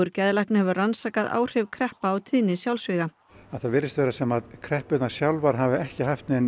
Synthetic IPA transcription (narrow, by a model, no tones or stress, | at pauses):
ʏɾcɛðlahknɪhɛvʏransaːkaðʔa̰ːwr̥ɪvkʰɾɛhpaːwt̪ʰiːnɪsjawlsvɪːɣa | aðθaðvɪːɾɪst̪vɛːɾasɛmaðkʰɾɛhpʏt̪nasjawlvaɾ̥ɦavɪɛhcɪɦaft̪nɛn